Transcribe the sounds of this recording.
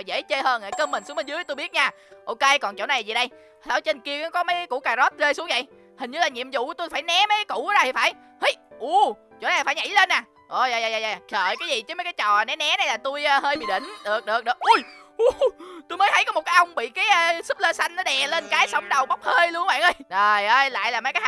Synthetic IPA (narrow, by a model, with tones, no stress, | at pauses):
jzḛ˧˥t͡ɕe˧həː˧na˧˩kəː˧mï˨˩sŋɓə˧nzɨ˨˦t̪u˧jɓi˦˥t̚ɲaː˧˩ | ʔo˧ke˧kɔ˨˩nt͡ɕo̰˧˨˩na˨˩˨a˨˩zi˨˩ɗə˧j | a̰ː˧˩˦t͡ɕe˧nki˧əkɔ˨˦kɔ˨˦mə˨˦jkṵ˧˥kaː˧˩zo˦˥t̚ze˧jsu˨˦əŋvə̰˧˨j | hï˨˩ŋ̟ɲɨ˧˩laː˨˩ɲḭ˧˨əmzʊ̰˧˨˦t̪u˧jfaː˧˩jnɛ˨˦ma˨˦jkːa˨˦kṵ˧˩˨ɔ˨˦za˧t̪ʰi˨˩faː˧˩˦j | hə˨˦jʔu˧˩ | t͡ɕo̰˧˥na˨˩faː˧˦jɲa̰˧˩jle˧nːaː˨˩ | ʔo˧˩zaː˨˩jzaː˨jzaː˨˩zaː˨˩xəː˧˨jkaː˨˦jzi˨˩t͡ɕɨ˨˦məː˨˦jkaː˨˦jt͡ɕɔ˨˩nɛ˨˦nɛ˨˦na˨˩jlaː˨˩t̪u˧jːɦəː˧jɓḭ˧˨ɗḭ̈˧˩˨ŋ̟ɗɨ˨˩ək̚ɗɨ˨˩ək̚ɨ˨˩ək̚ʔu˨˧jʔu˨˦t̪u˧jmə˨˦jt̪ʰjkɔ˨˦m˨˩t̚kaː˨˦jʔə˧wŋ͡mɓḭ˧˨kaː˨˦jʔəː˧sɨ˦˥p̚ləː˧sa˧jŋ̟nɔ˨˦ɗɛ˨˩le˧nkaː˨˦jsə˨˦wŋ͡mɗə˨˩wɓwk͡p̚həː˧jlu˧əŋ˧˦ɓa̰ː˧˨nʔə˧˦jzə˨˩jʔəː˧jla̰ː˧˨jlaː˨˩mə˨˦jkaː˨˦j